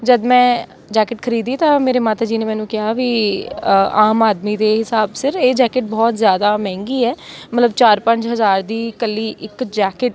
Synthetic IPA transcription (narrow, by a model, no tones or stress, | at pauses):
d͡ʒəd̪mɛ̃ː | d͡ʒɛːkɪʈkʰəɾiːd̪iːt̪ãːmeːɾeːmaːt̪aːd͡ʒiːneːmɛ̃ːnũːkɪaːʋiː | aːmaːd̪miːd̪eːɦɪsaːbsɪɾeːd͡ʒɛːkɪʈ̚bɔːt̪zjaːd̪aːmɛ̃ːŋɡiːɛːmət̪ləbt͡ʃaːɾpəɲd͡ʒɦəzaːɾd̪iːkəlːiːʔɪkd͡ʒɛːkɪʈ̚